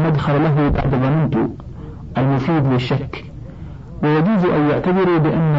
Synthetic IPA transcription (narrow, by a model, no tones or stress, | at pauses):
nad̪xallaɦʊba̰ʕd̪ɣɑnɪnt̪ʊ̰ | ʔalmʊfiːd̪lɪʃːakː | wɪjad͡ʒuːzʔajːaʕt̪aðɪɾubɪʔanː